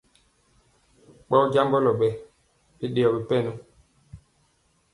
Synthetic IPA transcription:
ɓɔ˦ɟa˦mbɔ˦lɔ˨ɓɛ˨ | bi˦ɗe˨ɔ˨bi˨pɛ˦˨nu˦

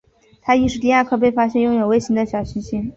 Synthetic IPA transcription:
t̪ʰa˥i˥˩ʂ̬ɻ̩˥˩t̪i˥˧ja˥˧kʰɤ˥˧pe˥˩ɪfa˥ɕjɛ˥˧njʊ˥˩ŋjo˨˩ʊwe˥ɪɕi˧˥ŋd̪ə˧ɕjɑ˨˩ʊɕi˧˥ŋɕi˥n

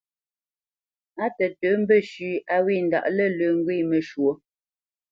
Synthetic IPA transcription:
a˦tə˨tə˨˦m̩˦bə˦˨ʃʉ˨˦a˦wi˦˨n˨da̰˨ʔlə˦lə˨ŋ̩˦ɡwi˦˨mə˨ʃwo˨˦

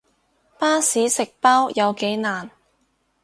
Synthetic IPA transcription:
paː˥siː˨˥sɪ˨k̚paː˥wjɐ˨˧wke˨˥jnaː˨˩n

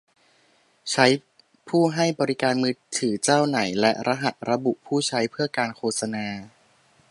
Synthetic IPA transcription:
t͡ɕʰa˦˥j | pʰuː˥˩ɦa˥˩jbɔː˧ɾi˦˥kaː˧nmɯː˦˥t̪ʰːɯː˩˦t͡ɕaː˥˩wna˩˦jlɛ˦˥ɾʔa˧ɦa˨˩t̪̚ɾa˧bu˨˩ʔpʰuː˥˩t͡ɕʰa˦˥jpʰɯ˥˩ɐkaː˧nkʰoː˧˩t̪̚sa˧naː˧

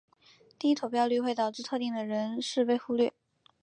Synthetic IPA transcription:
t̪i˥˧i˥t̪ʰo˨˩ʊpjɑ˥˧ʊly˥˧we˥˧ɪt̪ɑ˨˩ʊʈ͡ʂɻ̩˥˧t̪ʰɤ˥˧t̪i˥˩ŋd̪ə˩ɻə˧˥nʂɻ̩˥˧pe˥˧ɪxu˥lɥy˥˩

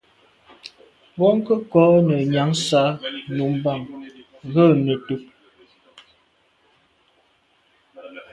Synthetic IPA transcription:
bɔ˦ŋ˦kə˦kɔ˨˦nə˨ɲa˨˦ŋsa˨˦nu˨˦m˦ba˦˨ŋ | ɣə˦˨nə˨tu˦p̚

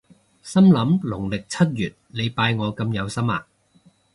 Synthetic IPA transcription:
sɐ˥mlɐ˨˥mlʊ˨˩ŋlɪ˨k̚t͡sʰɐ˥t̚jyː˨t̚le˨˧jpaː˧jŋɔː˨˧kɐ˧mjɐ˨˧wsɐ˥ma̰ː˧

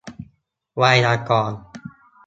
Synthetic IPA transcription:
wa˧jnaː˧˩kɔː˨˩n

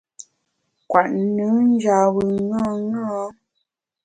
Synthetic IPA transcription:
kwa˨ʔnu˨˦n̩˦d͡ʒa˨wɯ˨ŋɔ̃˦ŋɔ̃˦

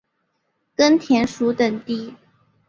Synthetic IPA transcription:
kə˥nt̪ʰjɛ˧˥nʂu˧˥t̪ə˨˩ŋt̪i˥˩

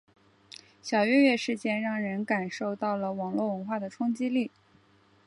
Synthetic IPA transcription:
ɕjɑ˨˩ʊɥɛ˥˧ɥɛ˥˧ʂɻ̩˥˧t͡ɕjɛ˥˧nɻɑ˥˩ŋɻə˧˥nka˨˩nʂo˥˧ʊt̪ɑ˥˩ʊlə˩wɑ˨˩ŋlwɔ˥˩wə˧˥nxwa˥˩d̪ə˩ʈ͡ʂʰʊ˥ŋt͡ɕi˥li˥˩

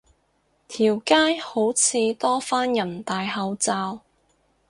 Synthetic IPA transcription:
t̪ʰiː˨˩wkaː˥jho˨˥wt͡sʰiː˨˧t̪ɔː˥faː˥njɐ˨˩nt̪aː˨jhɐ˨˧wt͡saː˧w

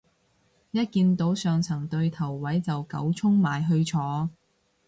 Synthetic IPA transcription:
jɐ˥t̚kiː˧nt̪o˨˥wsœː˨ŋt͡sʰɐ˨˩ŋt̪ɵ˧ɥt̪ʰɐ˨˩wːɐ˨˥jt͡sɐ˨wkɐ˨˥wt͡sʰʊ˥ŋmaː˨˩jɦɵ˧ɥt͡sʰɔː˨˥

